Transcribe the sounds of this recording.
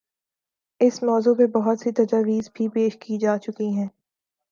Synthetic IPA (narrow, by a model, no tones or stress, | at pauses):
ɪsmɔːzupebɐɦʊt̪sit̪ɐd͡ʒaːʋiːzbʱipeːʃkid͡ʒaːt͡ʃʊkiɦɛ̃ː